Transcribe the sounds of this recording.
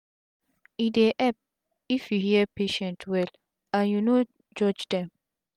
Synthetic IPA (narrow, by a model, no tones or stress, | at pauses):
ideʔɛp̚ | ifihiɛpʰeʃɛ̃ntʰwɛl | ajũno | d͡ʒɔd͡ʒdɛ̃m